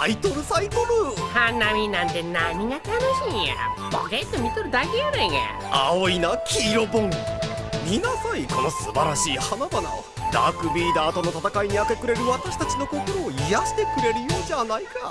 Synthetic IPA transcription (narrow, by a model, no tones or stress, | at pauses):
ait̪o̞ɾɯ̟sait̪oɾɯ̟hanamʲinãnt̪enamʲiɡat̪anoɕĩa̰boɡet̪ːomʲit̪oɾɯ̟d̪akejoɾeŋa̰ | a̰oinakʲiːɾo̞bõ̞ŋmʲinasaiko̞nosɨbaɾaɕiːhanabana̰ | d̪a̰kɯ̟bʲiːd̪aːt̪o̞no̞t̪at̪akaiɲ̟iake̞kɯ̟ɾe̞ɾɯ̟βat̪aɕi̥t̪at͡ɕino̞ko̞ko̞ɾo̞ːijaɕi̥t̪e̞kɯ̟ɾe̞ɾɯ̟jo̞ːd͡ʑanaika